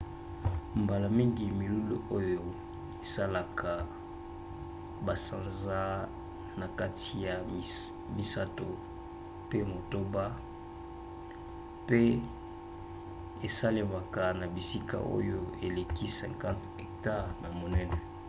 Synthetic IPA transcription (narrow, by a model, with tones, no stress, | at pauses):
mba˨la˨mi˦ŋɡi˨mi˨lu˦lo˦˨ʔo˦jo˨ | e˨sa˦la˨kʰa˨ | ba˨sã˨nza˦ | na˨ka˦tʰi˨ja˨ | mi˨sa˦to˨ | pe˦mo˨to˦ba˦ | pe˦ | e˨sa˦le˨ma˨ka˨na˨bi˨si˦ka̰˨ʔo̰˦jo˦˨e˨le˨kʰi˦sɛ̰̃˨ŋkã˦t | ɛ˨k̚ta˦ʁna˨mo˨nɛ˦nɛ˨